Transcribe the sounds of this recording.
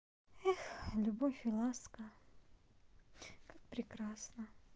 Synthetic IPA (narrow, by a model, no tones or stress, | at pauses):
ɛxlʲʊbofʲɪlˠaskə | kak̚pɾʲɪkɾasnə